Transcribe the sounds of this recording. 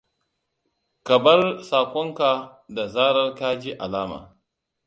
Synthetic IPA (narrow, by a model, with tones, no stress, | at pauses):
kɐ˨bɐ˦rsaː˨kʷɔ˦ŋka˨da˨zaː˦ɾɐ˦rkaː˦d͡ʒi˦ʔa˨laː˦ma̰ː˨